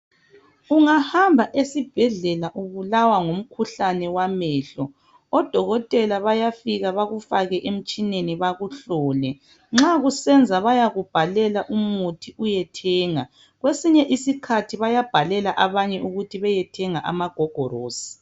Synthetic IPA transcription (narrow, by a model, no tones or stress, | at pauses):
uŋahambʱaʔesib̥ʱɛɮɛlaʔuβulawaŋom̩kʰuɬanɛwamɛːɬɔ | ɔd̥ʱɔɣɔtʼɛlaβajafiɣaβaɣufaɣɛʔem̩t͡ʃʼineniβaɣuɬɔːlɛ | ŋ͡ǁaɣusɛnd͡zʱaβajaɣub̥ʱalɛlaʔumutʰiujɛtʰɛːŋa | ɣwesiɲɛʔisikʰatʰiβajab̥ʱalɛlaʔaβaɲɛʔuɣutʰiβɛjɛtʰɛŋaʔa̰maɡ̥ʱɔɡ̥ʱɔɾoːsi̥